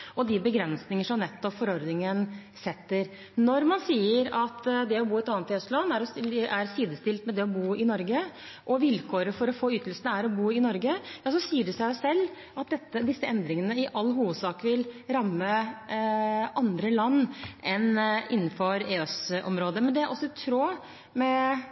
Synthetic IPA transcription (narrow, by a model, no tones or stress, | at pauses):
ɔd̪ɪbəɡɾɛnsnɪŋəʂɔmnɛt̪ːɔpfɔɾɔɾd̪nɪŋənsɛt̪ːəɾ | nɔɾmɑnsiːəɾɑt̪d̪ɛɔbuːɛt̪ɑːnt̪ɛst̪lɑnːæɾɔæɾsiːd̪əst̪ɪlt̪mɛd̪ɛɔbuːɪnɔɾɡə | ʔɔʋɪlkʰoːɾəfɔɾɔfoːʏt̪əlsənəæɾɔbuːɪnɔɾɡəjɑːs̬ɔsiːəɖʉsæɪjʊsɛlː | ʔɑt̪̚d̪ɛt̪ːəd̪ɪsːəɛnd̪ɾɪŋənəɪʔɑlːɦuːʋəd̪sɑːkʋɪlɾɑmːə | ʔɑnd̪ɾəlɑnːʔɛnʔɪ̰nːnfɔɾeːœsʔɔ̰mɾoːd̪əmɛnd̪ɛæɾʔɔsːɔt̪ʰɾoː | mɛ